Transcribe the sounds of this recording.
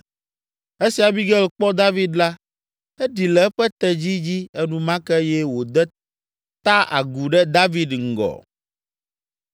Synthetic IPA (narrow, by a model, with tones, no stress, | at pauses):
e˦si˨a˨bi˦ɡɛ˦lk͡pɔ˦d̪a˦vi˨d̪la˦ | ɛ˦ɖi˨lɛ˨ɛ˦ɸɛ˦t̪ɛ˨d͡ʑi˦d͡ʑi˦ɛ˦nũ˦mã˦kɛ˦jɛ˦wo˨d̪ɛ˦ | t̪a˦ʔa̰˨ɡu˨ɖɛ˦d̪a˦vi˨d̪ŋ̩˨ɡɔ̰˨